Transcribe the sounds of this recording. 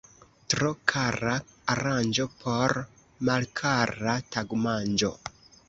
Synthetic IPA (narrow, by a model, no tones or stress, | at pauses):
tɾokʰaɾaːɾand͡ʒo̞pʰo̞ɾ | malkʰaɾrataɡmand͡ʒo̰